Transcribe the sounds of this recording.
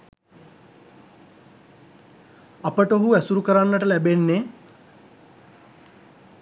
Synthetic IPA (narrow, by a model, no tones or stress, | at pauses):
apəʈəoɦuæsuɾukəɾanːəʈəlæbenːe